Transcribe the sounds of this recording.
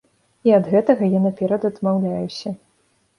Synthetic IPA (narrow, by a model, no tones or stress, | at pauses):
iɐd̪ɣɛt̪ɐɣɐjanɐpʲɛɾɐd̪ɐd̪mawlʲajusʲɐ